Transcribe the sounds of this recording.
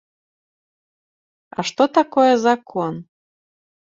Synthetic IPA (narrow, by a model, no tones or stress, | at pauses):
ɑ̰ʃt̪ot̪ɑkojezɑkʰːon